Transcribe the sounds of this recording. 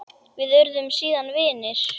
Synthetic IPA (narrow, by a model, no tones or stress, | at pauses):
vɪðœɾðʏmsiːðanvɪːnɪɾ̥